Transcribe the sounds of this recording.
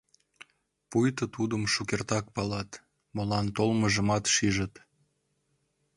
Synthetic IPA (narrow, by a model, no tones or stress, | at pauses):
pujt̪ət̪ud̪əmʃukert̪ɑk̚pɑlɑt̪ | molɑnt̪olməʒə̆mɑt̪ʃiʒət̪